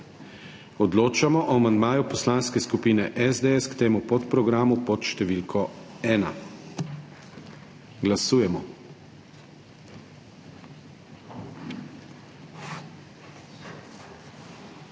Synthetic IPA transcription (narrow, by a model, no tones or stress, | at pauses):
ɔd̪loːt͡ʃamɔʔɔamand̪maːjupɔslanskɛskupiːnɛʔɛzd̪eɛskt̪eːmupɔt̪pɾɔɡɾaːmupɔt̪ʃt̪ɛʋilkʰɔɛːna̰ | ɡlasuːjɛmɔ